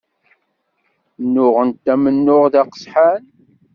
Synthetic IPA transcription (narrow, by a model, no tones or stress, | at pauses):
nːʊʁənt̪ːæmənːʊʁðæqə̥sˤħan